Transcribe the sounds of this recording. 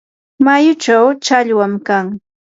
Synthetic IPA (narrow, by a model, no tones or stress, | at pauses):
majʊt͡ʃawt͡ʃaʎwamkaŋ